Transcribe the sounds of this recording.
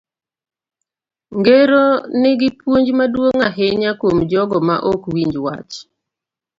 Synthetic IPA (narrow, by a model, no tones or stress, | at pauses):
ŋɡeɾonɪɡɪpwoɲd͡ʒmadwoŋaɦeɲakwomd͡ʒɔɡɔma̰ʔokwiɲd͡ʒwa̰t͡ʃ